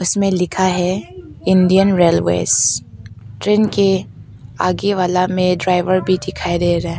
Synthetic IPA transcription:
ʊsmẽlɪkʰaɦɛɪ̃nɖijənɾeːlʋḛːs | ʈɾeːnke | aːɡeʋaːlamẽɖɾaːɪʋəɾbʱid̪ɪkʰaːid̪eɾɐɦe

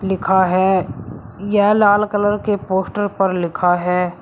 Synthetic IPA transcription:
lɪkʰaɦɛː | jɛɦlaːlkələɾkepoːsʈəɾpəɾlɪkʰaɦɛː

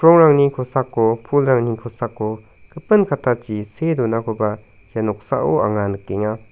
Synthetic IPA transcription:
kʰɾɔŋɾaŋnikʰɔsakːopʰulɾaŋnikʰɔsakːo | kʰɯpɯnkʰatʰat͡ʃisedunakʰɔba | janɔk̚sa̰ʔo̰a̰ŋanɯk̚ːeŋa

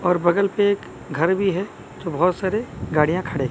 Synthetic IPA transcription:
ɔːɾbɐɡəlpeːk | ɡʱɐɾbʱiɦɛ | t̪obɔɦːt̪saːɾeɡaːɽ̤ijãkʰɐɽe

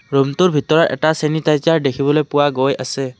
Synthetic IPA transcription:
ɾumt̪uɾbʱit̪ɔɾɔɾʔɛ̰ʈasenit̪ajt͡ʃaɾɖekʰibɔlojpuwaɡojʔase

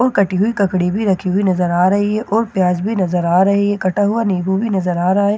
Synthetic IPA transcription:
ɔːɾkɐʈiɦuikɐkɽibʱiɾɐkʰiɦʊinɐzəɾaːɾɐɦiɦɛʔɔːɾpjaːd͡ʒbʱinɐzəɾaːɾɐɦiɦɛkɐʈaɦuaniːbʱubʱinɐzəɾaːɾɐɦaɦɛː

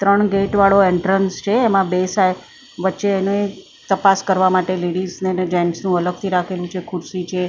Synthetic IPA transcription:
t̪ɾəɳɡeʈʋaɭoeɳʈɾənst͡ʃʰeːmãbesaj | ʋətːʃeːnee | t̪əpaskəɾʋamaʈeliɽizned͡ʒaɳsnũələɡ̚t̪ʰiɾakʰelũt͡ʃʰekʰuɾsit͡ʃʰe

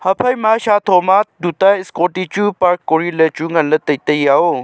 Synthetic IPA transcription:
hɐpʰɐjmaːɕaːt̪ʰoːmat̪̚d̪ut̪aɪskoʈit͡ʃupaɾkːoɽilət͡ʃuŋɡɐnlət̪ɐt̪əjao

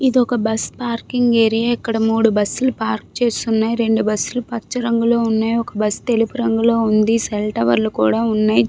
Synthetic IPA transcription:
id̪iɔkɐbɐspaːɾkiŋɡeːɾijaɛkːɐɽɐmuːɽubɐsːulupaːɾk̚t͡ʃe̞ːst̪unːaːjiɾe̞ɳɖubɐsːulupɐt͡ʃːɐɾɐŋɡulo̞ːunːaːjɔkɐbɐst̪e̞lipuɾɐŋɡulo̞ːund̪iselʈɐʋɐ̰ɾlukṵːɽaːunːaːji

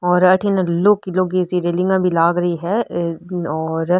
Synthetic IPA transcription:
ɔːɾɐʈʰinɐloːkiloɡisiɾelɪ̃ŋɡãbʱilaːɡɾɐiɦɛ | ɔːɾ

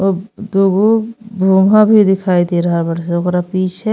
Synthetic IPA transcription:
oːd̪uɡubʱuːmʱãbʱid̪ɪkʰaːid̪eɾɐɦabəɾseokɾapiːt͡ʃʰɛ

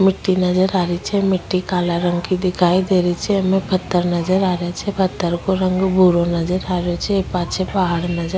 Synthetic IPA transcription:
mɪʈːinɐd͡ʒəɾaːɾit͡ʃʰɛmɪʈːikaːlaɾə̃ŋɡkid̪ɪkʰaːid̪eːɾit͡ʃʰɛmɛ̃pʰɐt̪ːəɾnɐd͡ʒəɾaːɾjat͡ʃʰɛpʰɐt̪ːəɾkoɾə̃ŋɡbʱuːɾonɐd͡ʒəɾaːɾjot͡ʃʰɛepaːt͡ʃʰepaɦaɽnɐd͡ʒə

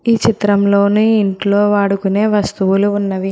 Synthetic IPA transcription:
iːt͡ʃit̪ɾɐmlo̞ːnuːiɳʈloːʋaːɽukune̞ːʋɐst̪uʋuluːnːɐʋi

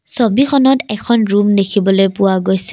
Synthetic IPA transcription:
sobixɔnɔtɛkʰɔnɹumdekʰibɔlojpʊwaɡojsɛ̥

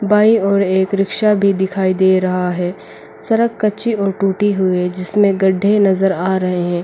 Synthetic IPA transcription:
baːiɔːɾeːkɾɪkʃabʱid̪ɪkʰaːid̪eːɾɐɦaɦɛː | sɐɾəkkɐt͡ʃiɔːɾʈuːʈiɦʊid͡ʒɪsmẽɡɐɖʱenɐzəɾaːɾɐɦeɦɛ̃ː

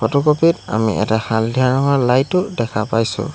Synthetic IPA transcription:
pɔtɔkɔpita̰mḭʔɛ̰tahaldʱianɔɦalajtːʊdɛkʰapajsʊ̰̃

